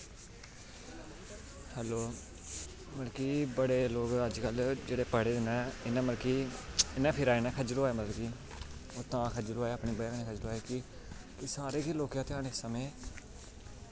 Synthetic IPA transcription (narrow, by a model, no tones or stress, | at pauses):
hɛːloː | məlkiːbəɽeːloːɡəd͡ʒkəld͡ʒeːɽeːpəɽeːd̪ɪnãːɪnãːməlkiːɪnãːpʰɪɾaːeːnaːkʰəd͡ʒloːaːeːmət̪lkiː | ot̪ãːkʰəd͡ʒloːaːeəːpɳiːbəjneːkʰəd͡ʒloaːeːkɪ | kɪsaːɾeːkiːloːkjãːt̪eaːneːssəmẽː